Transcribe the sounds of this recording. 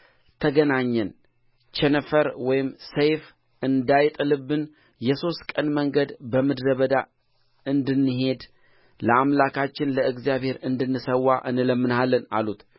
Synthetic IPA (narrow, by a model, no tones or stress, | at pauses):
t̪ʰəɡənaɲːɛn | t͡ʃɛnəfəɾwɔjɪmsəjf | ɨnd̪ajt̪ʼɨlɨbːɨn | jɛso̞st̪kʼənməŋɡəd̪bəmɨd̪ɾəβəd̪a | ɨnd̪ɨnːɨɦe̞d̪ | ləamlakʰat͡ʃːɪnləɨɡzjaβhe̞ɾɨnd̪ɨnːɨsəwːaʔɨnɨləmːɨnalːəna̰lut̪